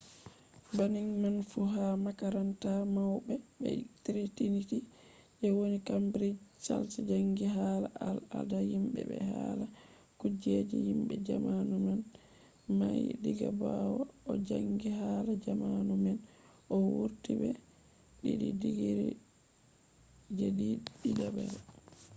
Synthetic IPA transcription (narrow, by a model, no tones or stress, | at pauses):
baniŋmanfuɦamakaɾantamawbɛbɛ̰tiɾitiniti | ʔɛwonikambɾit͡ʃalsɛd͡ʒaŋɡiɦaːlaʔala̰dahimbɛ̰bɛhala | kud͡ʒed͡ʒɛhimɓɛd͡ʒamanuman | majdiɡabawaɔd͡ʒaŋɡiɦalad͡ʒamanumɛn | ʔɔwuɾtibɛ | ɗiɗidiɡiɾḭ | d͡ʒɛdiɗidabɛɾ